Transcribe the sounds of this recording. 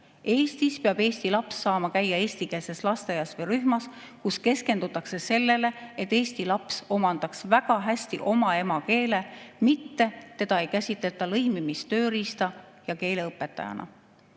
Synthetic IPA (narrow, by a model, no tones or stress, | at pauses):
e̞ːst̪ispeɑb̥e̞ːsʲt̪ilɑpsːɑːmɑkæjːɑe̞ːst̪ikese̞slɑst̪ejɑsvɤjɾyhmɑs | kuske̞ske̞nd̪̥ut̪ːˑɑkse̞se̞lːe̞le̞et̪ːˑe̞ːst̪ilɑpso̞mɑnd̪̥ɑksvæɡ̥ɑɦæsʲt̪iʔo̞mɑe̞mɑke̞ːle̞mit̪ːe̞t̪e̞d̪̥ɑe̞jkæsʲit̪ˑle̞t̪ːˑɑlɤjmimist̪ø̞ːɾist̪ɑ | jɑke̞ːle̞ɤpːˑe̞t̪ːˑɑ̰jɑ̰nɑ̰